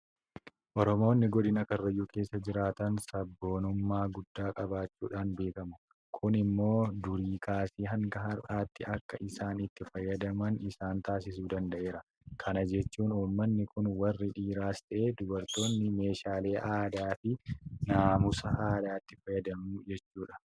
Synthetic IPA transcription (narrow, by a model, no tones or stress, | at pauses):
ʔɔɾɔmo̞ːnːɪɡɔd̪ɪnɐkɐrːɐjːuːke̞ːsːɐd͡ʒɪɾaːt̪ɐnsɐbːo̞ːnʊmːaːɡʊd̪ːaːkʼɐbaːt͡ʃːuːᶑaːnbe̞ːkɐmʊ | kʰʊnɪmːo̞ːd̪ʊɾiːkʰaːsiːɦɐŋɡɐɦɐɾʔaːt̪ːɪɐkːɐʔɪsaːnɪt̪ːɪfɐjːɐd̪ɐmɐnɪsaːnt̪aːsɪsuːd̪ɐnd̪ɐʔe̞ːɾɐ | kʰɐnɐd͡ʒɛt͡ʃːuːnuːmːɐnːɪkʊnwɐrːɪᶑiːɾaːst̪ɐʔeːd̪ʊbɐɾt̪o̞ːnːɪme̞ːʃaːle̞ːʔaːd̪aːfɪnaːmʊsɐʔaːd̪aːt̪ːɪfɐjːɐd̪ɐmuːd͡ʒɛt͡ʃːuːᶑɐ̥